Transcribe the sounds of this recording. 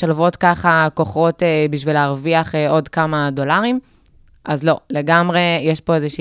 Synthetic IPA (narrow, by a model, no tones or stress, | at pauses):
ʃalvo̞tkaχako̞χo̞tebiʃ̬vileːʁviaχeʔo̞dkamado̞laʁim | ʔazlo̞leɡamʁe̞jeʃpo̞ezeʃi